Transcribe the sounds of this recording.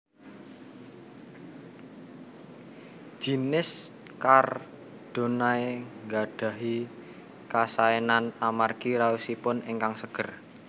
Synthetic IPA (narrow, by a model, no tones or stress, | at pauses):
d͡ʒ̥inɪs | kar | d̪̥o̤naeŋɡaɖ̥a̤ɦi | kasaenanamarɡ̥iɾausipʊneŋkaŋsəɡ̥ə̤r